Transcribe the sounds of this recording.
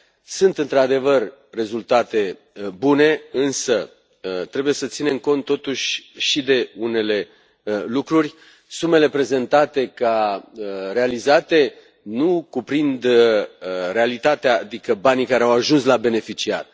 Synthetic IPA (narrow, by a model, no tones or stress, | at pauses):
sunt̪ɨnt̪ɾad̪e̞vər | re̞zult̪at̪e̞ | bune̞ɨnsə | t̪ɾe̞buje̞sət̪sine̞mko̞nt̪ːo̞t̪uʃʲʃid̪e̞une̞le̞ | lukɾurʲ | sume̞le̞pɾe̞ze̞nt̪at̪e̞ka | ɾe̞alizat̪e̞ | nukupɾind̪ | re̞alit̪at̪eaːd̪ikəbanikaɾeawaʒunslabe̞ne̞fit͡ʃia̰r